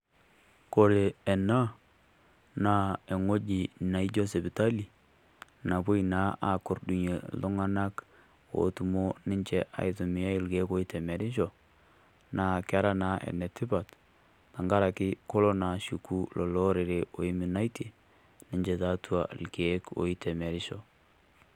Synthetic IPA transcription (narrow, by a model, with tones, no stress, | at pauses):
ko˨ɾe˨ɛ˨na˦ | na˨e˨ŋo˦d͡ʒi˨na˨i˦d͡ʒɔ˦se˨bi˨ta˦li˨ | na˨po˦ina˨˦a˨ko˨ɾdu˨ɲe˨lʊ˦ŋa˦na˦k | o̰˨tu˨mo˦nɪ˦ɲt͡ʃɛ˦ʔa̰˨ɪ˨tʊ˨mɪ˨ja˦˨lke˨˦ko˦i˦tɛ˨mɛ˨dɪ˦ʃɔ˨ | na˨ka˦ɾa˦na˨˦ʔḛ˨nɛ˨tɪ˦ba˨t | ta˨ŋɡa˦ɾa˨kɪ˦ko˦lɔ˦na˨ʃu˨ku˦lɔ˨lɔ˦ɾe˨ɾe˨o˨i˦mu˨na˦jtʰi˨ | nɪ˦ɲd͡ʒɛ˨ta˦tʰu˦a̰˨lke˨˦ko̰˨i˦tɛ˨mɛ˨ɾɪ˦ʃɔ˨